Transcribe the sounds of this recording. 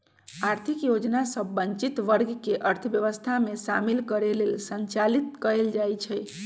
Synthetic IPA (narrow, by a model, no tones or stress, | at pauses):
aɾt̪ʰikjod͡ʒnasəbːəɲt͡ʃit̪ʋəɾɡʱkeʔəɾt̪ʰəbjəʋəst̪ʰamesamilkəɾelelsənt͡ʃalit̪kəɾeld͡ʒajt͡ʃʰɛj